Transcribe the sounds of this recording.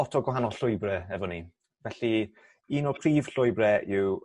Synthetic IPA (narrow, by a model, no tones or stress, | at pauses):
ɔtʰɔɡwaɦanɔɬʊɨbrɛɛvɔni | vɛɬi | iːnɔpʰr̥iːv̥ɬʊjbrɛɪw